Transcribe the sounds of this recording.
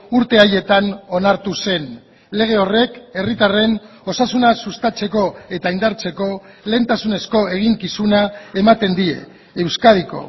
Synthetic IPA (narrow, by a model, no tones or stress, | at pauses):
uɾt̪e̞aje̞t̪ano̞naɾt̪use̞n | le̞ɣ̞e̞o̞re̞ke̞rit̪are̞n | o̞sasunasust̪at͡se̞ko̞e̞t̪aind̪aɾt͡se̞ko̞le̞nt̪asune̞sko̞e̞ɣ̞iŋkisunae̞mat̪e̞nd̪ie̞ː | wskaðiko̞̰